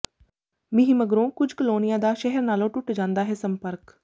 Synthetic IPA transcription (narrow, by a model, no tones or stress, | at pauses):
mɪɦiːməɡɾõːkʊd͡ʒkəloːnɪjãːd̪aːʃɛɦɛɾnaːlõːʈʊʈd͡ʒãːnd̪aːɦɛːsəmpəɾk